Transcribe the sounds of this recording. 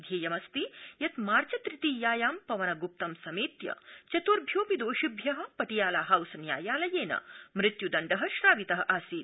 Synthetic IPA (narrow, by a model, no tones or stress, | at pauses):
d̪ʱjeːjɐmɐst̪ijɐt̪maːɾt͡ʃɐt̪ɾit̪iːjaːjaːmpɐʋɐnɐɡup̚t̪ɐmsɐmiːt̪jɐ̰t͡ʃɐt̪uɾbʱjoːpid̪oːʃibʱjɐɦɐ̆pɐʈijaːlaːɦɐwsɐnja̰ːjaːlɐjeːnɐ̰mɾɪt̪jud̪ɐɳɖɐɦɐ̆ʃɾaːʋit̪ɐɦɐ̆ʔaːsiːt̪